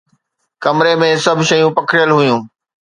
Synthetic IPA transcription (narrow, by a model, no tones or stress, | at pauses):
kɐmɾemẽsɐbʱʃɐjũpɐkʰɽɪjəlɦʊjũː